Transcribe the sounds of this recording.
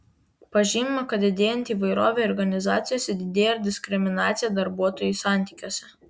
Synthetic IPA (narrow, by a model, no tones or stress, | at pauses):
pɐʒʲiːmʲmɐkɐt̪̚d̪ʲɪd̪ʲeːjɛnʲt̪ʲiːʋɐɪɾoːʋʲeɔɾɡɐnʲɪzɑːt̪sʲɪjoːsʲɛd̪ʲɪd̪ʲeːjɛɾd̪ʲɪsʲkɾʲɪmʲɪnɑːt̪sʲɪjɛd̪ɐɾbuɔt̪oːjʊsɑˑnʲt̪ʲiːˑkʲoɔsʲɛ